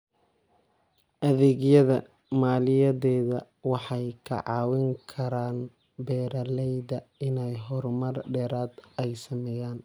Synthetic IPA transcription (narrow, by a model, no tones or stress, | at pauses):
ʔɐðɛːɡjɐðɐ | maːlɪjɐðɛːðɐ | wɑħɑjkʰɐ̰ʕɑːwɪŋkʰɐɾaːn | bɛːɾɐlɛjðɐɪnɛjɦɔɾmɐrɖɛːɾaːd̪ɛjsɐmɛjaːn